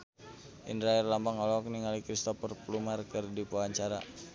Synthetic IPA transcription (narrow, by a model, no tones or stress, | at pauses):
ʔḭndɾaɛrlambaŋɔlɔk̚niŋalikɾist̪ɔfərplumarkərdipuaɲt͡ʃaɾa̰